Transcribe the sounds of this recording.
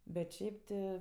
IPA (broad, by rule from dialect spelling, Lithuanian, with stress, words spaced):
bʲɛt ˈʃʲɛɪp tʲɪ